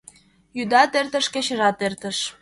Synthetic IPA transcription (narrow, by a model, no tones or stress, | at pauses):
jyd̪ɑt̪ert̪ə̆ʃkĕt͡ɕə̆ʒɑt̪ert̪ə̆ʃ